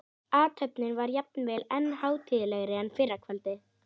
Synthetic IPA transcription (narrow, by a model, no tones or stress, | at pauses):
aːt̪ʰœpnɪnvaɾjap̚nvɛːlɛnːhaːwt̪ʰiːðɪlɛɣɾɪɛnːfɪɾakʰvɛlt̪ɪ